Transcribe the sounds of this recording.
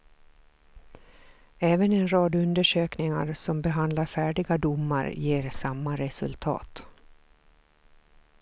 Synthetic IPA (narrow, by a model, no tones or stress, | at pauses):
ɛːvənɛnɾɑːd̪ɵnd̪əʂøːknɪŋa̰ɾsɔmbɛɦand̪laɾfæːɖɪɡad̪ʊmːa̰ɾjeːɾsamːaɾɛsɵ̰lt̪ʰɑ̰ːt̪